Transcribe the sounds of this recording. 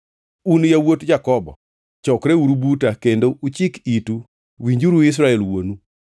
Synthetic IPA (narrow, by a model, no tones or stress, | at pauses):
unjawotd͡ʒakɔbɔ̰ | t͡ʃɔkɾeuɾubutakendoʔut͡ʃɪkitu | wiɲd͡ʒuɾuɪs̬ɾaɛlwonu